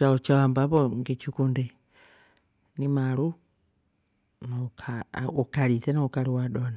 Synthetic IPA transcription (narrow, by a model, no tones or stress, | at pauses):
t͡ʃaut͡ʃawambaβoŋɡet͡ʃikundi | nimaɾu | nakʰaukaɾiθenaukaɾiwadona